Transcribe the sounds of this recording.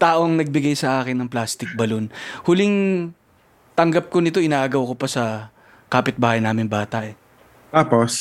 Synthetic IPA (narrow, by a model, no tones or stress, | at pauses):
t̪aːʔo̞ŋnɐɡ̚bɪɡajsɐʔaːkɪnːɐŋplaːst̪ɪk̚bɐlonhʊlɪŋ | t̪ɐŋɡɐp̚konɪt̪o̞ʔɪnaːʔɐɡɐwkopɐsɐ | kaːpɪt̪̚baːhɐjnaːmɪnbaːt̪ɐʔɛ | t̪aːpos